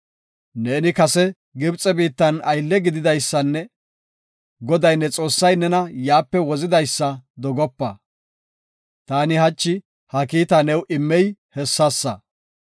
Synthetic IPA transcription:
neːnɪkɐsɛ | ɡɪbt͡sʼɛbiːt̪ːɐnɐjlːɛɡɪd̪ɪd̪ɐjsːɐnːɛ | ɡɔd̪ɐjnːɛt͡sʼo̞ːsːɐjnɛnɐjaːpːɛwɔzɪd̪ɐjsːɐd̪ɔɡɔpːɐ | t̪aːnɪhɐt͡ʃːɪ | hɐkiːt̪ɐnɛwʔɪmːɛjhɛsːɐsːɐ̰

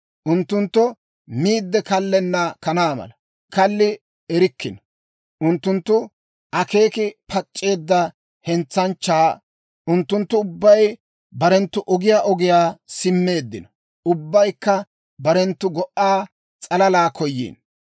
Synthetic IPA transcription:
ʔʊnt̪ːʊnt̪ːɔ | miːd̪ːɛkɐlːɛnːɐkɐnaːmɐ̰lɐ | kɐlːɪ | ɛɾɪkːɪn | ʔʊnt̪ːʊnt̪ːʊ | ʔɐke̞ːkɪpʰɐt͡ʃʼːe̞ːd̪ːɐ | hɛnt͡sːɐnt͡ʃːaː | ʔʊnt̪ːʊnt̪ːʊʊbːɐj | bɐɾɛnt̪ːʊʔɔɡɪjaːʔɔɡɪjaːsɪmːe̞ːd̪ːɪnɐ | ʊbːɐjkːɐ | bɐɾɛnt̪ːʊɡɔʔːaː | t͡sʼɐlɐlaːkʰɔjːḭːn

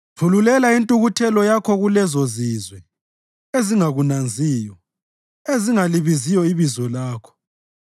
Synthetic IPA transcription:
pʰululɛlaintʼuɣutʰɛlɔjakʰɔɣulɛzɔzizwɛ | eziŋaɣunand͡zʱiːjɔ | eziŋaliβizijɔiβizɔlaːkʰɔ̥

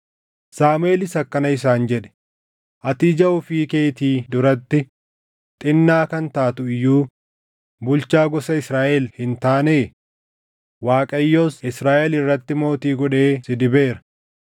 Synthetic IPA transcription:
saːmʊeːlɪsɐkːɐnɐɪs̬aːnd͡ʒɛᶑɛ̥ | ʔɐt̪iːd͡ʒɐʔʊfiːke̞ːt̪iːd̪ʊɾɐt̪ːɪ | t̪ʼɪnːaːkɐnt̪aːt̪ʊɪjːuː | bʊlt͡ʃaːɡɔsɐɪsɾaːʔɛlhɪnt̪aːneː | waːkʼɐjːoːsɪsɾaːʔɛlɪrːɐt̪ːɪmo̞ːt̪iːɡɔᶑe̞ːsɪd̪ɪbe̞ːɾɐ̥

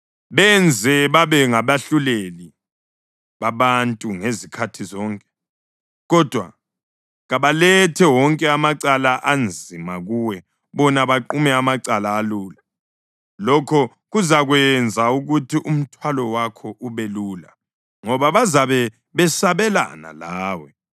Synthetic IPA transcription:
βɛnd͡zʱɛβaβɛŋaβaɬuleli | βaβantʼuŋezikʰatʰizɔːŋkʼɛ̥ | ɣɔd̥ʱwa̰ | ɣaβalɛtʰɛwɔŋkʼɛamaǀalaʔand͡zʱimaɣuwɛ | βɔnaβaǃumɛamaǀalaːluːla | lɔkʰɔ | ɣuzaɣwɛnd͡zʱauɣutʰiʔum̩tʰwalɔwakʰɔʔuβɛluːla̰ | ŋɔβaβazaβɛ | βɛsaβɛla̰na̰laːwɛ

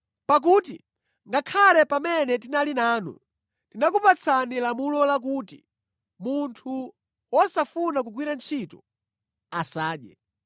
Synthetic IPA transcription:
pak̬uːtḭ | ŋɡakʰalɛpamɛnɛt̬inalinaːnṵ | tinakupat͡sʰanilamulɔlak̬uːti | muntʰu | wɔsafunak̬ukwiɾant͡ʃʰitɔ̥ | asaːɗjɛ

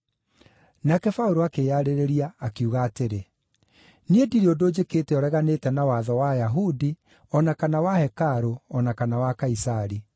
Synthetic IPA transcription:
nakɛfauɾoakejaɾeɾeɾiaːkiuːɣaːteɾe | niediɾiodod͡ʑekeːtɛɔɾɛɣanetɛnawaðɔwajaɦudi | ɔnakanawahɛkaɾoɔnakanawakaisaɾi

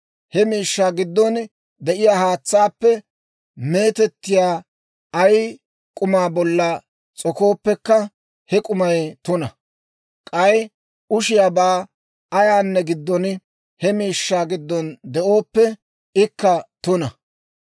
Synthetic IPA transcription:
hɛmiːʃːaːɡɪd̪ːɔn | d̪ɛʔɪjaːhaːt͡sːaːpːɛ | me̞ːt̪ɛt̪ːɪjaː | ɐj | kʼʊmaːbɔlːɐ | t͡sʼɔko̞ːpːɛkːɐ | hɛkʼʊmɐjt̪ʊnɐ | kʼɐj | ʊʃɪjaːbaː | ɐjaːnːɛɡɪd̪ːɔn | hɛmiːʃːaːɡɪd̪ːɔnd̪ɛʔo̞ːpːɛ | ɪkːɐt̪ʊnɐ

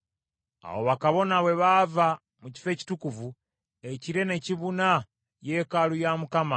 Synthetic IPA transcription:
a̰wo̞̰βakaβo̞naβwe̞βaːva | muci̥fe̞ːci̥tukuvu | eciɾe̞ne̞ciβuna | je̞kalujamukama

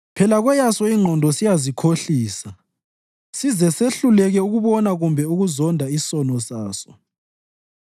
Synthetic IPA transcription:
pʰɛlaɣwɛjasɔiŋ͡ǃʱɔndʱɔsijazikʰoɬiːsa | sizɛseɬulɛɣɛuɣuβɔnaɣumbʱɛuɣuzɔndʱaisɔnɔsaːsɔ̥

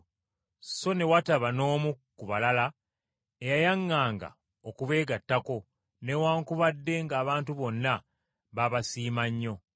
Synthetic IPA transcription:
so̞ne̞wataβano̞ːmukuβalala | ejajaŋːaːŋɡa̰ | okuβe̞ːɡatːako̞ | newaːŋkuβadːe̞ŋɡaːβaːntuβo̞nːa | βaβasiːmaɲːo̞

